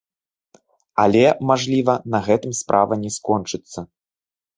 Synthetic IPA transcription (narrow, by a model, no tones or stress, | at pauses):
alʲɛmaʐlʲivɐnɐɣɛt̪ɨmspɾʔa̰vɐnʲɛskɔnt͡ʂɨt̪sːɐ